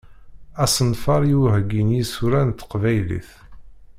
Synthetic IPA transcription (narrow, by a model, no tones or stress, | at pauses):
æsənfɑɾˤjiwɦəɡinjisuɾænt̪ːqvæjlḭθ